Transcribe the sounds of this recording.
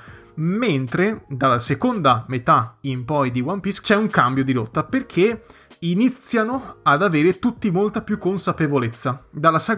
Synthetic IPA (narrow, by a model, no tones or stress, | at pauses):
ment̪ɾed̪alːasekond̪amet̪aimpɔjd̪iwampist͡ʃɛuŋkambjod̪ilot̪ːaperkʰe | init̪sːjanoad̪aveːɾet̪ut̪ːimolt̪apjukːonsapevolet̪sːad̪alːasa